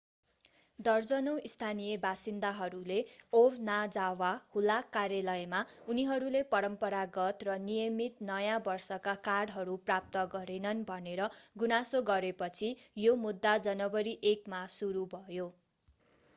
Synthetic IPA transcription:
d̪ʌrd͡zʌnowist̪ʰanijebasind̪aɦʌɾuleobnad͡zawahulakarjalʌjmauniɦʌɾulepʌɾʌmpʌɾaɡʌt̪rʌnijʌmit̪nʌjãbʌrsʌkakaɽɦʌɾuprap̚t̪ʌɡʌɾenʌnbʱʌneɾʌɡunasoɡʌɾepʌt͡sʰijomud̪ːad͡zʌnʌbʌɾiʔekmasuɾubʱʌjo

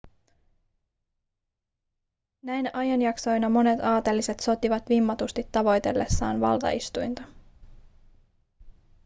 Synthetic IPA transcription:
næjnɑjɑnjɑkso̞jnɑmo̞ne̞t̪ɑːt̪elːise̞t̪so̞t̪iʋɑt̪ʋimːɑt̪ust̪it̪ːɑʋo̞jt̪e̞̰lːe̞̰sːɑ̰ːnʋɑ̰lt̪ɑ̰ḭst̪ujnt̪ɑ̥

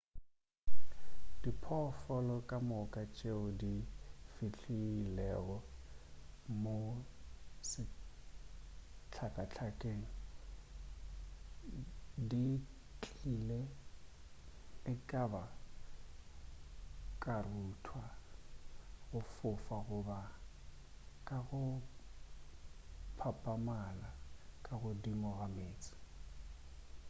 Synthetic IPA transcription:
d̥ipʰɔfɔlɔkʼamʊkʼat͡ʃʼeʊdifit͡ɬʰiːlɛɣɔ | mo | sɪ | t͡ɬʰakʼat͡ɬʰakʼeːŋ̩ | di | t͡ɬʼilɛ | ɪkʼaba | kʼarutʰwa | ɣʊfʊfaɣʊba | kʼaɣʊ | pʰapʼamalakʼaɣʊdimʊɣameːt͡sʼɪ̥

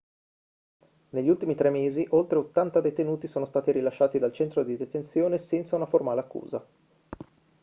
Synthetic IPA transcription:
neʎːiult̪imit̪ɾɛmːeːziʔolt̪ɾeot̪ːant̪ad̪ejt̪enuːt̪isoːnost̪aːt̪iɾilaʃːaːt̪id̪alt͡ʃɛnt̪ɾod̪id̪et̪ensjoːnesɛnt̪saunaformaːleakːṵːza̰

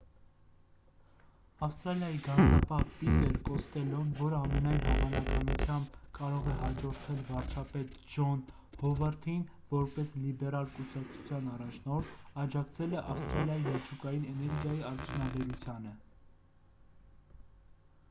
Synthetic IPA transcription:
ɑfst̪ɾɑljɑjiɡɑnd͡zɑ̰pɑhpit̪ɛɾkɔst̪ɛlɔnvɔɾəɑmɛnɑjnɦɑvɑnɑkɑnut͡sʰjɑmbkɑɾɔʁɛhɑd͡ʒɔɾt̪ʰɛlvɑɾt͡ʃʰɑpɛt̪d͡ʒɔn | hɔvəɾt̪ʰin | vɔɾpɛslibɛɾɑlkusɑkt͡sʰu̥t͡sʰjɑnɑrɑt͡ʃʰnɔɾt̪ʰɑd͡ʒɑkt͡sʰɛlɛʔɑfst̪ɾɑljɑjimɛt͡ʃʰukɑjinɛnɛɾɡjɑjiɑɾt͡sʰjunɑbɛɾut͡sʰjɑnə

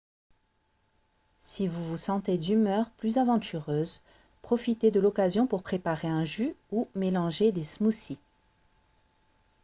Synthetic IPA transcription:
sivuvusɑ̃t̪ed̪ymœʁplyzavɑ̃t̪ʰyʁøːz | pχɔfit̪ed̪əlɔkazjɔ̃puʁpχepaʁeɛ̃ʒyumelɑ̃ʒed̪esmusi

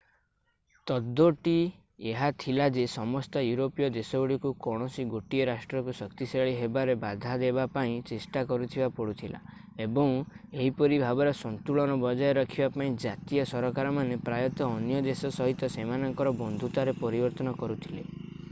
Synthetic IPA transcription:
t̪ɔd̪ːoʈi | eɦat̪ʰilad͡ʒesɔmɔst̪ɔjuɾopijɔd̪esɔuɽikukɔɽ̃ɔsiɡoʈieɾasʈɾɔkusɔkt̪iseɭiɦebaɾebad̪ʱad̪ebapaĩt͡ʃesʈakɔɾut̪ʰibapɔɽut̪ʰila̰ | ebɔ̃ŋeɦipɔɾibʱabɔɾɔsɔnt̪uɭɔnɔbɔd͡ʒajɔɾɔkʰibapaĩd͡ʒat̪ijɔsɔɾɔkaɾɔmanepɾajɔt̪ɔːnjɔd̪esɔsɔɦit̪ɔsemanɔŋkɔɾɔbɔnd̪ʱut̪aɾepɔɾibɔɾt̪ɔnɔkɔɾut̪ʰile

